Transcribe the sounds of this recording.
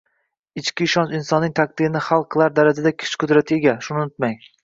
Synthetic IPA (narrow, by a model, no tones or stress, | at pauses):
ɪt͡ʃkʲɪːʃɒnt͡ʃɪnsɒnːɪŋt̪ʰak̚d̪ɪɾɪnɪχalˠqʰːɨlˠaɾd̪aɾad͡ʒad̪akʲʰɪ̥t͡ʃkʰʊd̪ɾat̪ʰɪe̞ɡʲaʃʊnɪnʊt̪maŋ